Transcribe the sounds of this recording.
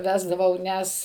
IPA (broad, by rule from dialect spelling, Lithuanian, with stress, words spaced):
ˈʋʲæːzdɐʋɐʊ ˈnʲɛs